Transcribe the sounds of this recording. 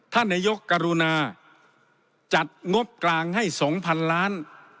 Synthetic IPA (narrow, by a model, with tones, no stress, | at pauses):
t̪ʰa˧˥˩nːaː˧jo˦˥kːa˧ɾu˧naː˧ | t͡ɕa˨˩t̪̚ŋo˦˥p̚klaː˧ŋha˥˩jsɔː˩˦ŋpʰa˧nlaː˦˥n